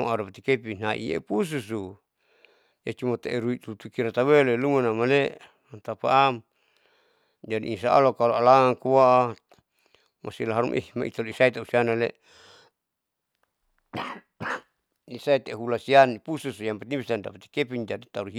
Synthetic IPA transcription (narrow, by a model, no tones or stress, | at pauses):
maɾapat̪ikepinaʔḭḛpus̬usu | jat͡ʃumat̪eʔeɾuit̪ut̪ukiɾat̪awelelumanamale | ant̪apa̰ʔam | d͡ʒadḭʔis̬aa̰lokaloalaŋaŋkuwaʔa | masilaɦaɾumʔḭma̰ḭt̪aloisait̪ausianale | isait̪eɦulasianipususujampat̪ibisandapat̪i̥kepind͡ʒadit̪aɾuɦi